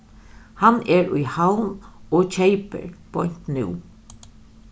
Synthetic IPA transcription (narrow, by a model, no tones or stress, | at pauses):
hanɛɹʊjhawnoːt͡ʃʰeɪpə̰ɹpʰɔjn̥t̪nṵː